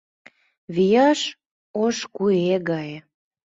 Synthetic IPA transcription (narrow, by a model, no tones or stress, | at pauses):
βijɑʃ | oʃkueɣɑj